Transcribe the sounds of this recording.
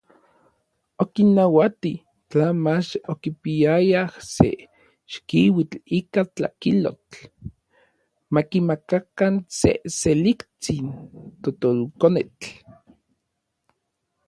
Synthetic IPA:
okinːawat̪i | t͡ɬanmat͡ʃokipiajahsḛ | ʃkiwit͡ɬikat͡ɬa̰kilo̰t͡ɬ | makimakakansḛselikt͡sint̪ot̪olkonet͡ɬ

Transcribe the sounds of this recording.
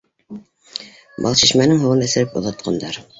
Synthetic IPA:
bɑ̰lˠɕiʃmænɘŋɦŭʁɤnɘ̆sɘ̆ɾɘpŏ̰ðɑt̪̚qʰɑnd̪ɑɾ

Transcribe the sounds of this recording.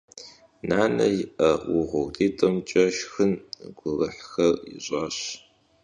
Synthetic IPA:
naːnɐ̰jɪʔɐwʊʁʷʊɣdiːtʼɐmt͡ʃʼɐʃxɨnɡ̥ʷʊlɐħxɐrḭɕʼaːɕ

